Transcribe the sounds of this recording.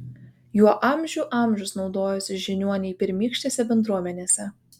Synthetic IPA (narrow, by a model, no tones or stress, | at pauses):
juɔʔɐˑmʲʒʲuːˑʔɑˑmʲʒʲʊsnɒʊd̪oːjʊsʲɪʒʲɪnʲuɔnʲɛɪpʲɪɾʲmʲiːkʃʲt̪ʲeːsʲɛbʲɛnd̪ɾuɔmʲɛnʲeːsʲɛ